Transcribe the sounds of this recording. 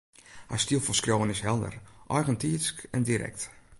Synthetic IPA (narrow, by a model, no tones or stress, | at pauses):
ha̰stilˠfɔlˠskrowənɪsɦɛlˠdə̰rʔɔjɣəntiəskɛndiɾʔɛ̰k̚t